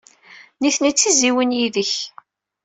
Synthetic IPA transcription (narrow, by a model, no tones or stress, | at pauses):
niθnit͡sːiziwənjiðəç